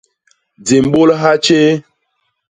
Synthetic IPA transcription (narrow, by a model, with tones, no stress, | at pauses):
d͡ze˨m˨ɓo˦lɦa˦t͡ʃe˦